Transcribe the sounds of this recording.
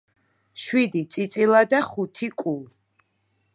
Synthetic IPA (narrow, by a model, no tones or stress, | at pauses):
ʃwid̪it̪sʼit̪sʼilˠad̪aχut̪ʰikʼul